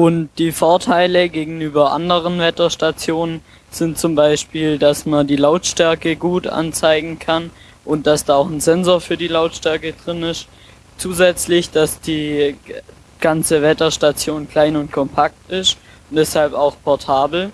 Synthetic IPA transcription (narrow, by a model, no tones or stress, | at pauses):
ʔʊntd̥iːfɔɐtʰaɪləɡeːɡŋ̩yːbɐʔa̰ndəʁ̞ənvɛtɐʃtat͡sjoːnən | z̥ɪntt͡sʊmbaɪʃpiːldasmandiːlaʊtʃtɛɐkəɡuːtʔa̰nt͡saɪɡŋ̩kʰan | ʔʊnt̚d̥asd̥aːaʊxn̩zɛnzoːɐfyːɐdiːlaʊtʃtɛɐkədʁɪnɪs | t͡suːzɛt͡slɪçd̥asd̥iː | ɡ̥ant͡səvɛtɐʃtat͡sjoːnkʰl̥aɪnʊnt̚kʰɔmpʰak̚tɪst | ʊnd̥ɛshalpaʊxpʰɔɐtʰaːbl̩